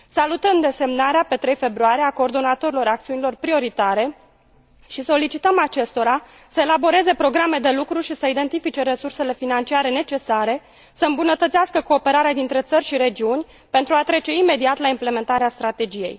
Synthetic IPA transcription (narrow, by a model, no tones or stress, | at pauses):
salut̪əmd̪e̞se̞mnaɾeape̞t̪ɾejfe̞bɾuaɾieako̞ːrd̪o̞nat̪o̞ɾilo̞ɾak̚t̪siunilo̞rpɾio̞ɾit̪aɾe̞ | ʃiso̞lit͡ʃit̪əmat͡ʃe̞st̪o̞ɾa | səe̞labo̞ɾe̞ze̞pɾo̞ɡɾame̞d̪e̞lukɾuʃisəid̪e̞nt̪ifit͡ʃe̞ɾe̞surse̞le̞finant͡ʃiaɾe̞ne̞t͡ʃe̞saɾe̞ | səɨmbunət̪ət̪siaskəko̞ːpe̞ɾaɾead̪int̪ɾe̞t̪sərʲʃiɾe̞d͡ʒiunʲ | pe̞nt̪ɾuat̪ɾe̞t͡ʃe̞ime̞d̪iat̪laimple̞me̞nt̪aɾeast̪ɾat̪e̞d͡ʒije̞̰j